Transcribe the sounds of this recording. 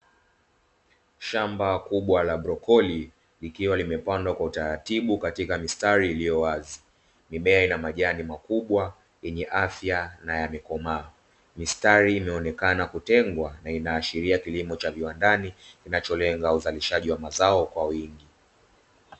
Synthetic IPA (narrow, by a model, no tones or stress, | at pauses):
ʃambakuɓwalaɓɾɔkɔli | likiwalimɛpandwakwautaɾatiɓukatikamistaɾiːlijɔwazi | miɓɛainamaʄanimakuɓwa | ɛɲɛʔafjanajamɛkɔmaː | mistaɾiːmɛɔnɛkanakutɛŋɡwanainaːʃiɾiakilimɔt͡ʃaviwandanikinat͡ʃɔlɛŋɡauzaliʃaʄiwamazaɔkwawiŋɡi